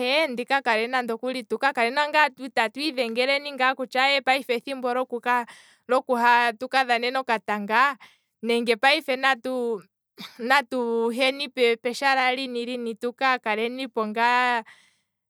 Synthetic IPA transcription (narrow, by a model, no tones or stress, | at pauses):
ɛndikakaɾɛnandɔkulitukakaɾɛnaŋɡatutatwiðɛŋɡɛɾɛniŋɡakut͡ʃaɛpaifɛθimbɔɾɔkuka | ɾɔkuɦatukaðanɛnɔkataŋɡa | nɛŋɡɛpaifɛnatu | natuɦɛnipɛpɛʃaɾaɾiniɾinitukakaɾɛnipɔŋɡa